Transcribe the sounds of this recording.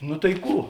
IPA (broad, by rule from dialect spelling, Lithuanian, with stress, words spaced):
nʊ tɐɪ ˈkuː